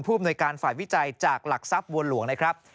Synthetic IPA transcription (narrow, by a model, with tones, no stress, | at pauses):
npʰuː˥˩˨mnu˧jkaː˧nfaː˨˩jwi˦˥t͡ɕa˧jt͡ɕaː˨˩k̚la˨˩k̚sa˦˥p̚wu˧ənlu˨˦əŋna˥jkʰɾa˦˥p̚